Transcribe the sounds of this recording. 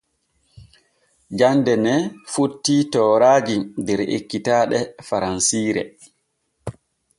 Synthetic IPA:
d͡ʒandɛnɛfotːitɔːɾaːd͡ʒidɛɾḛkːitaːɗɛfaɾansiːɾɛ̰

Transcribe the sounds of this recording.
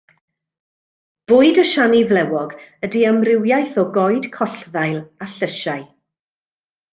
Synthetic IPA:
b̥ʊɨdəʃanivlɛwɔɡədiəmrɪwjajθɔɡɔjd̥kʰɔɬðajlˠaɬəʃaj

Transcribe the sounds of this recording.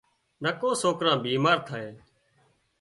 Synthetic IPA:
nəkõːsoːkɾãːbiːmaːɾt̪ʰaːeː

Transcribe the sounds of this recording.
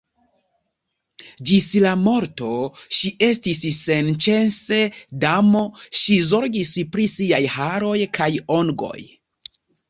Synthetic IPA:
d͡ʒislamo̞ɾto̞ʃiʔe̞stisːe̞nt͡ʃe̞nse̞damo̞ʃizo̞ɾɡispɾisiajhaɾo̞jkʰajoŋɡo̞̰j

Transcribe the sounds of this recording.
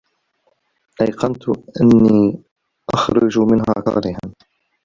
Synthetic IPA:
ʔajqɑnt̪ʔanːiː | ʔɑxɾˤʊd͡ʒmɪnɦaːqɑ̰ːɾɪha̰n

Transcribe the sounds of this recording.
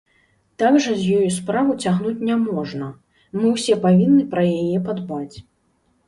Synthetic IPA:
t̪aɡʐɐzʲjɔjuspɾavɨt͡sʲaɣnut͡sʲnʲamɔʐnɐ | mɨwsʲɛpavʲinːɨpɾɐjajɛpad̪bat͡sʲ

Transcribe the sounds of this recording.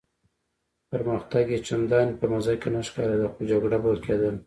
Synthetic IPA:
pəɾmaxt̪aɡet͡ʃand̪ɑnpəmazɑjkenaʃkɑɾad̪axod͡ʒaɡɽabəlkʰed̪ən

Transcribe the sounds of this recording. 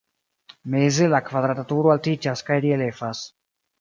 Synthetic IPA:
mezelakvad̪ɾat̪at̪uɾoalt̪it͡ʃaskajɾielefas

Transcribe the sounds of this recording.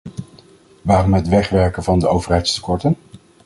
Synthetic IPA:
ʋaːrɔmɦətʋɛχʋɛɹkənvɑndəowvəɹɦɛjtstə̥kɔɹtən

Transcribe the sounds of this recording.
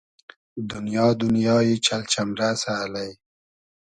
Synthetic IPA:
d̪ʊnjɑːd̪ʊnjɑːjet͡ʃalt͡ʃamɾasalaj

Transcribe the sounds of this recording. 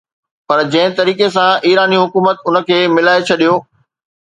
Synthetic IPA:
pɐɾd͡ʑɐ̃ɦɪ̃t̪ɐɾiːkes̬ãʔiːɾaːniɦʊkuːmət̪ʊnə̆kʰeːmɪlaːet͡ɕʰɐɗijoː

